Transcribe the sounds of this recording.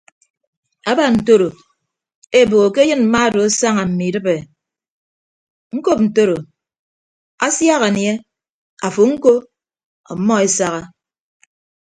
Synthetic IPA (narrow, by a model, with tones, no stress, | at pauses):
a˦ba˨n̩˨to˦ɾo˨ | e˦˨bo˨ɣo˨ke˦jɨ˦nm̩˨˦ma˦˨do˨a˦sa˦ŋa˨m̩˨mi˨dɨ˦be˨ | ŋ̩˦ko˦p̚n̩˨to˦ɾo˨ | a˦sja˦ɣa˨nje˦ | a˨fo˨ŋ̩˦ko˦ | ɔ̰˨˦mːɔ˦e˦sa˦ɣa˦